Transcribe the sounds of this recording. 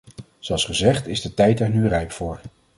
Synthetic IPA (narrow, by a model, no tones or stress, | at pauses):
z̥oɑlˠsχəzɛχtɪzdətɛjtɛɹnyrɛjpfʊːɹ